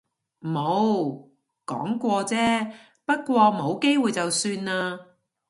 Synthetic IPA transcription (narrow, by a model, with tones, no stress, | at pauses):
mo˨˧w | kɔ̰ː˨˥ŋkʷɔː˧t͡sɛː˥ | pɐ˥t̚kʷɔː˧mo˨˧˥wke˥jwuː˨jt͡sɐ˨wsyː˧nːaː˧